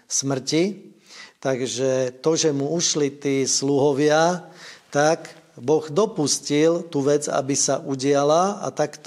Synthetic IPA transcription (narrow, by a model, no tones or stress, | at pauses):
smr̩ci | t̪aɡʒɛt̪ɔʒɛmuuʃlit̪iːsluɦɔʋɪat̪akbɔɣd̪ɔpuscilt̪uːʋɛd͡za̰bisaʔuɟɪalaa̰t̪akt̪